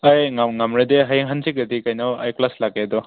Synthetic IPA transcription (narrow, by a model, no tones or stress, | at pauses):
ajŋaŋamɾedeɦajŋɦansikɡɐdikajnawajklaslaɡedɔ